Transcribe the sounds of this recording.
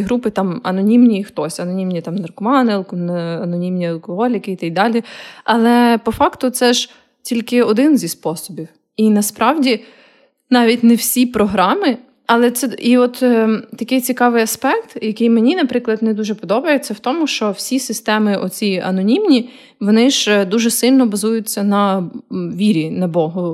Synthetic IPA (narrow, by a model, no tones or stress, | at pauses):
ɦɾupɪt̪ɑmɐ̰nɔnʲimnʲixt̪ɔsʲɐnɔnʲimnʲit̪ɑmnɐrkɔmɑnɪɐlˠknɐnɔnʲimnʲiɐlˠkɔɦɔlʲikɪit̪ɐjd̪ɑlʲiɐlˠɛpɔfɑkt̪ʊt̪sɛʒ | tʲilʲkɪɔd̪ɪnzʲispɔsɔbʲiw | inɐspɾɑwdʲi | nɑʋʲitʲnɛwsʲipɾɔɦɾɑmɪ | ɐlˠɛt̪sɛiɔt̪ːt̪ɐkɪjt͡sʲikɑʋɪjɐspɛkt̪jɐkɪjmenʲinɐpɾɪklˠɐd̪nɛd̪uʒɛpɔd̪ɔbɐjɛsɛwt̪ɔmʊʃt͡ʃɔwsʲisɪst̪ɛmɪʔɔt͡sʲiɐ̰nɔnʲimnʲi | ʋɔnɪʒd̪uʒɛsɪlʲnɔbɐzujʊt͡sʲːɐnɐ | ʋʲiɾʲinɐbɔɦʊ